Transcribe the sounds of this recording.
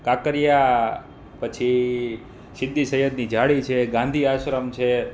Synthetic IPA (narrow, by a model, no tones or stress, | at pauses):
kakəɾija | pət͡ʃʰi | sɪd̪ːisəjəd̪nid͡ʒaɭit͡ʃʰeɡãnd̪ʱiaʃɾəmt͡ʃʰe